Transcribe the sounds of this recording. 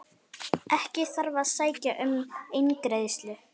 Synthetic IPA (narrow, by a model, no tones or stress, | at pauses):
ʔɛhcɪθaɾvaðsaːjcaʔʏmejnkɾejðst̪lʏ